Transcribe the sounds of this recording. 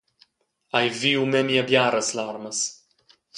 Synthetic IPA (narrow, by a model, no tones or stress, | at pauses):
ajviumɛmiabjaɾɐslaɾmɐs